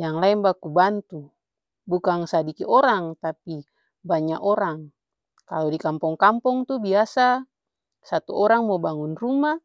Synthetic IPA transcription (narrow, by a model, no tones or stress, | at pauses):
jaŋlaɛmbakubant̪u | bukaŋsadikiʔɔɾaŋt̪api | baɲaʔɔɾaŋ | kalodikampɔŋkampɔŋt̪ubiasa | sat̪ṵʔɔɾaŋmɔbaŋunruma